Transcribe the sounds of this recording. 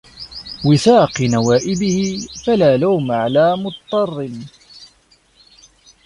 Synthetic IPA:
wɪθɑːqɨnawaːʔɪbɪhɪfalaːlawmaʕalaːmʊt̪ɑt̪ˤːɑrˤːɪn

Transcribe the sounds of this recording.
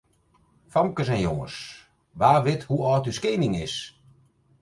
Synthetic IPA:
famkəsɛnjoŋə̰s | ʋaːʋɪthuɔːtyskeːnɪŋɪs

